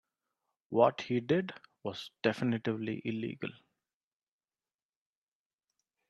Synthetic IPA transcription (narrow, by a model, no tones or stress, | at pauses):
wɔʈhiːɖɪɖʋɔz̥ɖ̥ɛfɪnɪʈɪʋlḭʔɪlḭːɡə̰l